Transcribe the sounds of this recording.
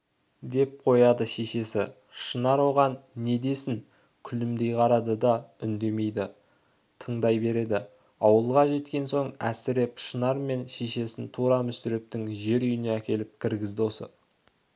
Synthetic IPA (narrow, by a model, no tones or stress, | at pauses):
d̪e̞p̚qʰo̞jɑd̪əʃe̞ʃe̞sɪ | ʃənɑɾwo̞ʁɑnːe̞d̪e̞sɪn | kʲʰʏlɪmd̪e̞jqʰɑɾɑd̪əd̪ɑʏnd̪e̞me̞jd̪ɪ | t̪ʰəɴd̪ɑjbe̞ɾe̞d̪ɪ | ɑwəlˠʁɑʒe̞t̪kʲe̞nso̞ɴæ̰sɪɾe̞pʃənɑɾme̞nʃe̞ʃe̞sɪnt̪ʰuɾɑmʏst̪ɪɾe̞p̚t̪ɪŋʒe̞ɾʏjɪne̞ækʲe̞lɪp̚kʲʰɪɾɡʲɪzd̪ɪwosə̰